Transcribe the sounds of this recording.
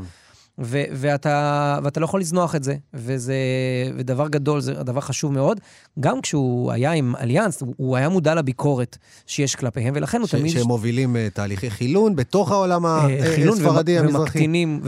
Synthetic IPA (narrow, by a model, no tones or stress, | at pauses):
veveat̪aveatalo̞jaχolizno̞aχetze̞vezeved̪avaʁɡad̪o̞lzed̪avaʁχaʃuvmeo̞d̪ | ɡamkʃeua̰jaima̰ljansuːajamudalabikʰo̞ʁe̞t | ʃejeʃklapeɦemvelaχe̞nhut̪amid̪emːovilimet̪aːliχejχilunbet̪o̞χaolamaχilusnvaʁadiavezmaʁakinim